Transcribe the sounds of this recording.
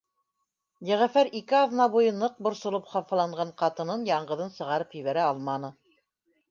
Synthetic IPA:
jɘ̆ʁæfæɾikɘɑðnɑβujɤnɤq̚bŏɾsŏlˠɤpχɑfɑlˠɑɴɢɑɴqɑt̪ɤ̆nɤnjɑɴɢɤ̆ðɤnsɤ̆ʁɑɾɤpjɵ̆βæɾæɑlˠmɑnɤ

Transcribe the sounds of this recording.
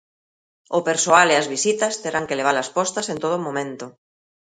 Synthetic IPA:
opeɾsoaleazβisit̪ast̪eɾaŋkeleβ̞alaspɔst̪asent̪oð̞omõmẽnt̪o

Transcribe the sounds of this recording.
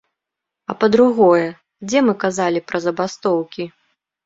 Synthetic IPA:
ɐpɐd̪ɾuɣɔjɛ | d͡zʲɛmɨkazalʲipɾɐzɐbast̪ɔwkʲi

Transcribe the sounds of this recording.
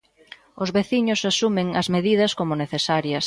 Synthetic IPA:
ʊzβeθiɲʊsasumeŋɐzmeðiðɐskomʊneθesaɾjɐs

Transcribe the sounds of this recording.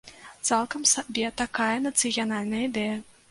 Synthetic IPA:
t̪salˠkɐmsabʲɛt̪akajɐnɐt̪sɨjanalʲnɐjəid̪ɛjɐ

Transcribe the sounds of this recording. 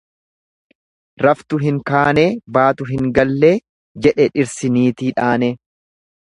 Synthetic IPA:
ɾɐft̪ʊɦɪŋkaːne̞ːbaːt̪ʊɦɪŋɡɐlːeː | d͡ʒɛᶑɛᶑɪɾsɪniːt̪iːᶑaːnɛ

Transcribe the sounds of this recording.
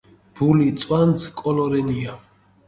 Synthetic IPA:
b̥ulit̪sʼwansʰkʼɔlɔɾɛnia

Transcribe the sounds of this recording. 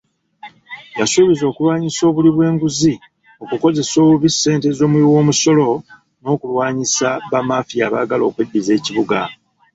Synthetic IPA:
jasuːβizo̞ːkulwaːɲiso̞ːβuliβwe̞ːŋɡuzi | o̞kuko̞ze̞soːuβisːe̞ːnte̞zo̞ːmwiwo̞ːmuso̞lo̞ | no̞ːkulwaːɲisaβamaːfijaːβa̰ːɡalo̞̰ːkwedːize̞ːciβuɡa

